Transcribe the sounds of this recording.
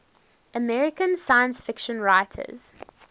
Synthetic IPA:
ʔəmɛɹɪkə̃nsajə̃nsfɪkʃə̃nɹaɪtʰə̰z̥

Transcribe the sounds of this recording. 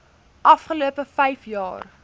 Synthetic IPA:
ʔɐfχəluəpəfɛjfjɑ̰ːr

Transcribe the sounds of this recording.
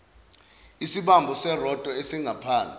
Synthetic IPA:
isiɓambʱɔsɛrɔtʼɔesiŋɡʱapʰaːnt͡sʼi

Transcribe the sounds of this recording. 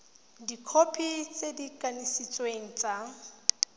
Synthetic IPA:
dikʰopʰit͡sʼedikʼanisit͡sʼweŋ̩t͡sʼa

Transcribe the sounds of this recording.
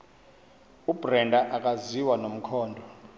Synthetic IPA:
ubrɛndʱaʔak̬ʼaziwanom̩kʰɔːndʱɔ

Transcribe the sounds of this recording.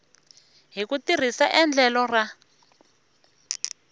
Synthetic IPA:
ɦikutir̤isaʔɛnd͡ɮɛlɔra

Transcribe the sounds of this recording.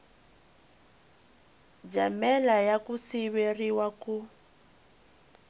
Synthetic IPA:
d͡ʒamɛlajakusiβeriwaku

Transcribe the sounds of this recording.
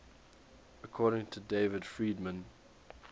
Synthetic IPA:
əkʰɔːɾɪ̃ŋtʰədeɪvəd̥fɹiːdmə̃n

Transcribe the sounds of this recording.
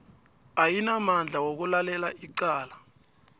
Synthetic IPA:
ajinamand͡ɮʱawok̬ulalɛlaiǃaːla

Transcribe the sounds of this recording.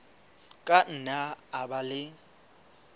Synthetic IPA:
kʼan̩naːbalɪ

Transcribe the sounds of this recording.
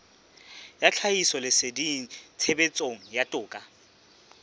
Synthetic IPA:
jat͡ɬʰaisɔlɪsɪdit͡sʰebet͡sʼoŋ̩jatʼʊːkʼa

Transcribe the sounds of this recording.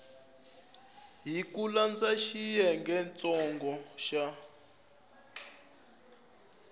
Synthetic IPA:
ɦikuland͡zaʃijɛŋɡɛnt͡sʼɔŋɡɔʃa

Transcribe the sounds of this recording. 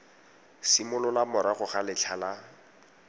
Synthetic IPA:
simʊlɔlamʊɾaχʊχalɪt͡ɬʰala

